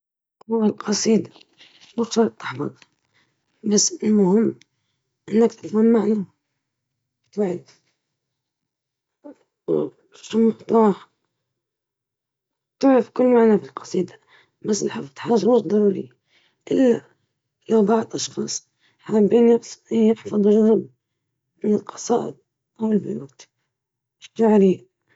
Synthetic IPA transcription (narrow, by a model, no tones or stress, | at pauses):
tːɪlqʰɑsˤiːd̪a | mʊkʃɑɾˤt̪ːɪħbɑ̰t̪ | basːɪlmʊhɪmː | ʔɪnːakt̪ɪt̪manːmaʕna | t̪ʕf | ʃʊmʊft̪ɑːħ | t̪ʊʕɾɪfkʊlːmaʕnafilqɑ̥sˤiːd̪a | basːɪlħafɑd̪ˤħaːʒmʊd̪ˤɑɾuːɾḭ | ʔɪlːa | lawbɑʕd̪ˤʔɑʃxɑːsˤ | ħambiːnːafsɪɪħfɑðˤʒaðab | mɪnɪlqɑ̥sˤɑːʔɪ̰d̪̚ | ʔawɪlbʊjṵːt̪ | ɪʃaʕɾiː